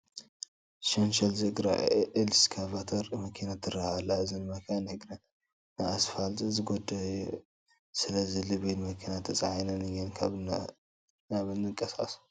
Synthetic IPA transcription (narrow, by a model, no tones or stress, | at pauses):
ʃɐnʃɐlzɨɡɾa̰ʕʔɨlskʰaβat̪ʰɐɾmɐkʰinat̪ʰːɨrahalːaɨzɨnmɐkʰanhɨɡɾɐn | nɨasfalt̪ʼzɨɡod̪ɐ | sɨlɐzilɨβilmɐkʰinat̪ʰɐt͡sʼaʕanɐnɨjːɛnkʰaβn | naβɨnːɨkʼːɐsa̰su̥